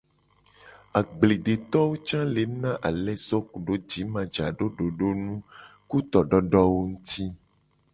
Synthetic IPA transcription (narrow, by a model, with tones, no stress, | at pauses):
a˨ɡ͡ble˨ɖe˨t̪ɔ˦wo˦t͡ʃã˦le˨nã˦ʔa˨lɛ˦sɔ˦ku˨ɖo˦d͡ʒi˨˦mã˨d͡ʒa˨ɖo˦ɖo˨ɖo˦nũ˦ | ku˦t̪ɔ˨ɖɔ˦ɖɔ˦wo˦ŋũ˦t̪ʰi˦